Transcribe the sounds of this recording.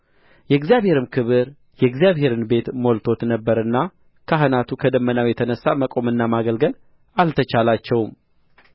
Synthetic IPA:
jɛɡzijaβhe̞ɾɨmkʰɨβɨɾ | jɛɡzijaβhe̞ɾɨnbe̞t̪molt̪ʰo̞t̪nəbːəɾɨnːa | kʰəɦɨnat̪ʰukʰəd̪əmːənawjɛt̪ʰənəsːaməkʼo̞mɨnːamaɡəlɡəl | alt̪ʰət͡ʃalat͡ʃːɛwm

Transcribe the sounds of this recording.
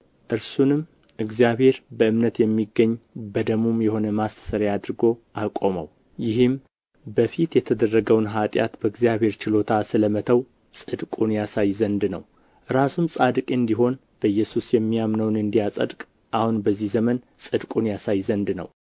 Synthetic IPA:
ʔɨɾsunɨm | ʔɨɡzijaβhe̞ɾbəɨmnət̪jɛmːiɡːəɲːbəd̪əmumjɛho̞nəmast̪ʰə̥səɾjad̪ɾɨɡo̞akʼo̞mə̰w | jɪɦɨm | bəfit̪jɛt̪ʰəd̪ərːəɡəwnɦat̪ʼja̰t̪bəɨɡzijaβhe̞ɾt͡ʃɪlo̞t̪ʰasɨləmət̪ʰəw | sʼɨd̪kʼunjasajzənd̪nə̰w | ɾasumsʼad̪kʼeɨnd̪iɦo̞n | b̥əjːɛsusjɛmːijamnəwnɨnd̪ijasʼə̰d̪kʼ | ʔahunbəzːihzəmən | sʼɨd̪kʼunjasajzənd̪nə̰w

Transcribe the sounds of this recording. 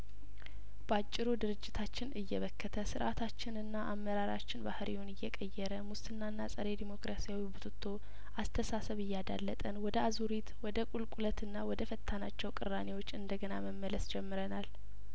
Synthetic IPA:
b̥əat͡ʃʼːɪɾud̪ɨɾɨd͡ʒːɪt̪ʰat͡ʃːɪnɨjːɛβəkːət̪ʰəsɨɾʔat̪ʰat͡ʃːɪnɨnːaʔamːəɾaɾa̰t͡ʃːɪnbahɾijwonɨjːɛkʼəjːɛɾəmust̪ʰɨnːanːasʼəɾe̞d̪imo̞kɾasijawibut̪ʰut̪ʰːo̞ | ʔast̪ʰəsasəβɨjːad̪a̰lːət̪ʼənwɔd̪əazuɾit̪wɔd̪əkʼulkʼulət̪ʰɨnːawɔd̪əfət̪ʰːanat͡ʃːɛwkʼɨɾːane̞wo̞t͡ʃːɨnd̪əɡənaməmːələsd͡ʒɛmːɨɾənal

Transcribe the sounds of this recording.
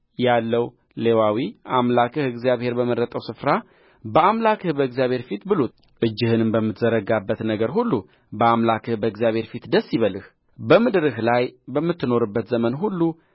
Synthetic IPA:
jalːəw | le̞wawiʔamlakʰɨhɨɡzijaβhe̞ɾbəməɾət̪ʼəwsɨfɾa | bəamlakʰɨhbəɨɡzijaβhe̞ɾfit̪bɨlo | ʔɨd͡ʒːɨhɨnɨmbəmːɨt̪zəɾəɡabːət̪nəɡəɾhulːu | bəamlakʰɨhbəɨɡzijaβhe̞ɾfit̪d̪əsːiβəlɨh | bəmɨd̪ɾɨɦlajbəmːɨt̪ːɨno̞ɾɨbːət̪zəmənɦulːu

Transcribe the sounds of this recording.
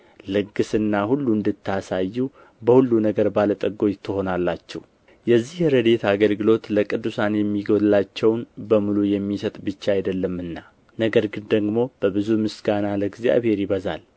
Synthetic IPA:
lɨɡːɨsɨnːahulːuɨnd̪ɨt̪ʰːasajːu | bəhulːunəɡəɾbalət̪ʼəɡːo̞jt̪ʰːɨho̞nalːat͡ʃːɛ̰w | jɛzːihɾəd̪e̞t̪ʰaɡəlɡɨlo̞t̪ləkʼɨd̪ːusanjɛmːiɡollat͡ʃːɛwnbəmulujɛmːisət̪ʼbɨt͡ʃːaajd̪əlːəmɨnːa | nəɡəɾɡɨnd̪əɡmo̞b̥əbɨzumɨsɡanaləɡzja̰βhe̞ɾjɪβəza̰l

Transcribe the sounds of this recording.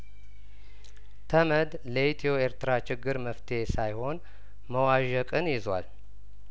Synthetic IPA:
t̪ʰəməd̪ | ləit̪ʰioeɾt̪ʰɨɾat͡ʃɪɡːɨɾməft̪ʰe̞sajho̞n | məwaʒəkʼɨnjɪzwa̰l

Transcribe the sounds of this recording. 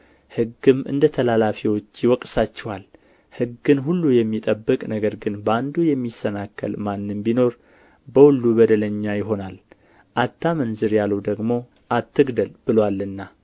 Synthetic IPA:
hɨɡːɨmʔɨ̰nd̪ət̪ʰəlalafiwo̞t͡ʃːjɪwɔkʼsat͡ʃːɛwal | hɨɡɨnɦulːujɛmːit̪ʼəbːɨkʼnəɡəɾɡɨnbəand̪ujɛmːisːənakʰːə̰lmanːɨmbino̞ɾ | bəhulːubəd̪ələɲːajɪɦo̞nal | ʔat̪ʰːamənzɨɾjaləwd̪əɡmo̞ | ʔat̪ːɨɡd̪əlbɨlwalːɨnːa

